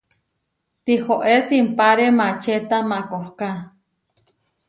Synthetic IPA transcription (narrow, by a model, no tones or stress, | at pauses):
t̪ihoʔesimpaɾemat͡ʃet̪amakohka